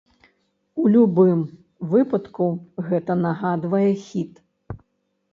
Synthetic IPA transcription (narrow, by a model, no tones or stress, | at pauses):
ulʲubɨm | vɨpɐt̪kuɣɛt̪ɐnɐɣad̪vɐjɛxʲit̪